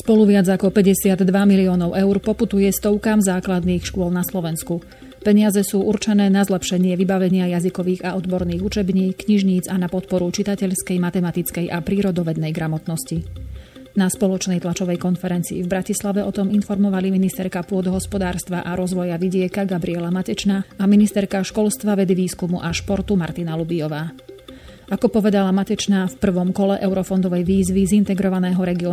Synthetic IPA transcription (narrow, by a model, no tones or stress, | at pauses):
spɔluʋɪad͡zakɔpɛɟɛsɪad̪ːʋamiliɔːnɔʊʔɛʊɾpɔput̪ujɛst̪ɔʊkaːmzaːklad̪niːxʃkʊɔlˠnaslɔʋɛnsku | pɛɲɪazɛsuːʔuɾt͡ʃɛnɛːnazlɛpʃɛɲɪɛʋibaʋɛɲɪajazikɔʋiːɣaɔd̪bɔɾniːɣut͡ʃɛbɲiːkːɲiʒɲiːd͡zanapɔt̪̚pɔɾut͡ʃit̪acɛʎskɛjmat̪ɛmat̪it͡skɛjʔapɾiːɾɔd̪ɔʋɛd̪nɛjɡɾamɔt̪nɔsci | naspɔlɔt͡ʃnɛjt̪lat͡ʃɔʋɛjkɔnfɛɾɛnt͡sḭivbɾacislaʋɛʔɔt̪ɔminfɔɾmɔʋaliminist̪ɛɾkapʊɔd̪ɔɦɔspɔd̪aːɾst̪ʋaʔaɾɔzʋɔjaʋiɟɪɛkaɡabɾiɛlamacɛt͡ʃnaaminist̪ɛɾkaʃkɔlst̪ʋaʋɛd̪iʋiːskumuʔaʃpɔɾt̪umaɾt̪inalubijɔʋaː | ʔakɔpɔʋɛd̪alamacɛt͡ʃnaːfpr̩ʋɔmkɔlɛʔɛʊɾɔfɔnd̪ɔʋɛjʋiːzʋizint̪ɛɡɾɔʋanɛːɦɔɾɛɡiɔ